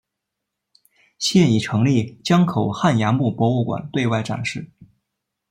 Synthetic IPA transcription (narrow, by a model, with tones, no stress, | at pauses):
ɕjɛ˥˩ni˨˩ʈ͡ʂʰɤ˧˥ŋli˥˩t͡ɕjɑ˥ŋkʰo˨˩ʊxa˥˩njɑ˧˥ŋmu˥˩pwɔ˧˥u˥˩kwa̰˨˩nt̪we˥˧ɪwa˥˩ɪʈ͡ʂa̰˨˩nʂɻ̩˥˩